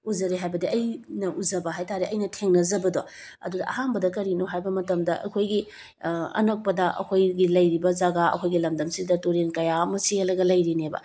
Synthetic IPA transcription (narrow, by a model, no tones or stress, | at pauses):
uzɐɾeɦajbɐdiɐjnɐʔuzɐbɐɦajtʰaɾeʔɐjnɐtʰeŋnɐzɐbɐdo | ɐ̰dudɐɐ̰hambɐdɐkɐɾinoɦajbɐmɐtɐmdɐʔɐ̰kʰojɡi | ɐ̰nɐk̚pɐdɐʔɐ̰kʰojɡilɐjɾibɐzaɡaɐ̰kʰojɡilɐmdɐmsidɐtoɾenkɐjamɐsiɐlɐɡɐlɐjɾinebɐ̰